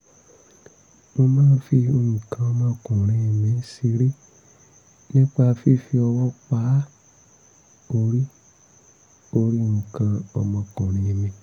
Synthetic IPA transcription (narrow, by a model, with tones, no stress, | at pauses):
mo˧mãː˦˨˦fi˧o˧˨ŋĩ˨kã˧ɔ˧mã˧˦˧kɔ̃˨ɾ̃ĩ˧˦i˧mĩ˧˦si˧ɾi˦ | nĩ˦k͡pa˧fi˦fi˧ɔ˧wɔ˦k͡pa˨˦ | o˧ɾi˦ | o˧ɾi˦˨ŋũ˨kã˧ɔ̰˧mɔ̃˧kɔ̃˨ɾ̃ĩ˧˨i˧mĩ˧